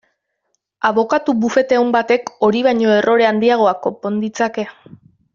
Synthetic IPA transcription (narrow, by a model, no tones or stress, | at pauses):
aβo̞kat̪ubufe̞t̪eumbat̪e̞ko̞ɾiβaɲo̞e̞rʔo̞ɾe̞and̪iaɣ̞o̞ako̞po̞nd̪it͡sake̞